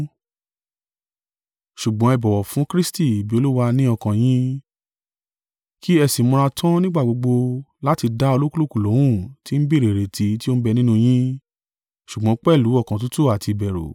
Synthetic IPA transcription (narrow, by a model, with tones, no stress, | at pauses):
ʃu˨ɡ͡bɔ̃˨˦ɛ˧˨bɔ˨wɔ˨fũ˨˦kɾi˦sti˦˨bi˨˦o˧lu˦wa˧nĩ˦ɔ˧kã˨j̃ĩ˦ | ki˦ɛ˧si˨˦mɔ̃˧ɾa˧tʰã˦nĩ˦ɡ͡ba˦˨ɡ͡bo˧ɡ͡bo˧la˦ti˧da˦o˧lo˦ku˦lo˦ku˨lo˨˦w̃ũ˦˨ti˨˦m̩˦bi˦ɾe˨ɾe˨tʰi˧˦ti˦o˦bɛ˧nĩ˦nũ˧j̃ĩ˦ | ʃu˨ɡ͡bɔ̃˨˦k͡pɛ˦˨lu˨˦ɔ˦˨kã˨t̬u˦tu˦˨a˨ti˧bɛ˨ɾo̰˨